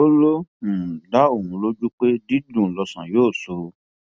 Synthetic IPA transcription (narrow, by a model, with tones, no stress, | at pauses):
o˦lõ˦˨da˦o˦˨wũ˧lo˦d͡ʒu˦k͡pe˦di˦dũ˨lɔ˧sã̰˨joː˦˨so˧